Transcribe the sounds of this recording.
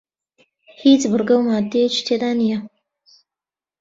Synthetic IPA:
hiːt͡sbɨɾɡɐwmaːd̪ːejet͡ʃi̥t̪ʰeːd̪aːnijɐ

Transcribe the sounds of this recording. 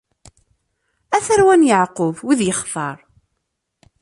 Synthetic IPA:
æθəɾwænjəʕqʊvwiðjəχθɑɾˤ

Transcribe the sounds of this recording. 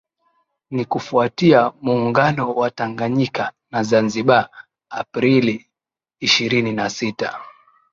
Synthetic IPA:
nikufuatiamuːŋɡanɔwataŋɡaɲikanazanziɓaː | pɾiliː | ʃiɾininasita̰

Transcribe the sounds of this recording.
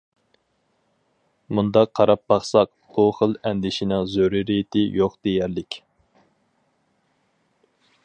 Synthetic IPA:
mund̪ɑqʰːɑɾɑp̚bɑχsɑq̚ | b̥uχəlˠɛnd̪ɪʃinɨŋzøɾɨɾijɪt̪ʰɪjoqd̪̥ejæɾlɪkʲ

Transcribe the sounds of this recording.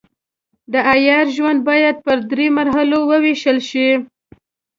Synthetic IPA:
d̪əʔajɑɾʒwand̪̚bɑjad̪̚pəɾd̪ɾemaɾɦalowəweʃəlʃi

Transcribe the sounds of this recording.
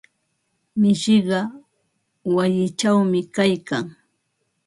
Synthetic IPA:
mɪʃɪɢɑ | wajɪt͡ʃawmɪkajkaŋ

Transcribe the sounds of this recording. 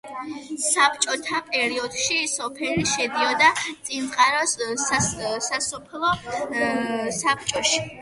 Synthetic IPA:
sapt͡ʃʼɔt̪ʰapʼɛɾiɔd̪ʃisɔpʰɛliʃɛd̪iɔd̪at̪sʼinʼqʼaɾɔs | sasɔpʰlˠɔ | sap̚t͡ʃʼɔʃi̥

